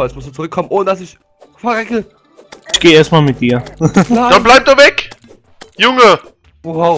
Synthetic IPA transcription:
aɛsmʊsd̥uːt͡suʁʏkʰːɔmənʔoːnədasɪç | fɐʁɛkə | ʔɪçɡ̥eːʔeːɐstmaːlmɪt̚d̥iːɐad̥anblaɪp̚d̥uːvɛk | jʊŋə | aʊ

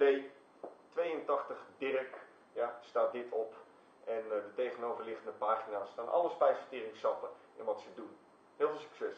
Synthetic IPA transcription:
d̥ej | tʋejəntɑxtəχdɪrək | jastaːdɪtʰɔp | ʔɛndətejɣənoːvərlɪxəndəpaːxinastaːnʔɑ̰ləspɛjsfətirɪŋsɑpə | ɪ̰nʋɔtsədun | hɪːlˠfːlˠsy̥ksɛs

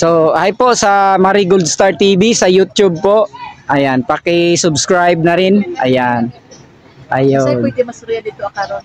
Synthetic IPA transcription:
sohajposɐmaɾiɡold̪st̪aɹt̪ibisɐjut̪jʊb̚poʔʔajanpɐkɪsʊbskɹajb̚nɐɾɪnʔa̰jan | ʔajonɪmɐsʊɾjad̪ɪt̪oɐkaɾon

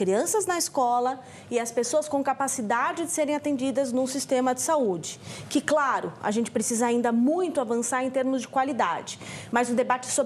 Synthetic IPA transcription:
kɾiɐ̃sɐznɐɪskɔlɐ | ɪɐspesoɐskõkapasid̪ad͡ʒɪd͡ʒɪseɾẽj̃at̪ẽd͡ʒid̪ɐznũsist̪ẽmɐd͡ʒɪsaud͡ʒɪkɪklaɾʊa̰ʒẽnt͡ʃɪ̥pɾesizɐaĩnd̪ɐmũj̃t̪ʊavɐ̃saɾẽj̃t̪eɾmʊzd͡ʒɪkwalid̪a̰d͡ʒɪmɐzʊd̪ebat͡ʃɪ̥so

